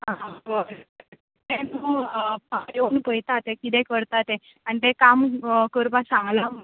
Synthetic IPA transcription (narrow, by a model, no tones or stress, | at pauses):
ɦãə | t̪ɛnupaɾonpəjt̪at̪ekit̪ɛ̃kəɾt̪at̪e | anit̪ekamkəɾpasãŋɡlam